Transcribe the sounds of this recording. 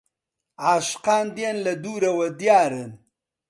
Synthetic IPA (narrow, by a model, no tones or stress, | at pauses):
aʃqaːnd̪jenlɐd̪uːɾɐwɐd̪jaːɾən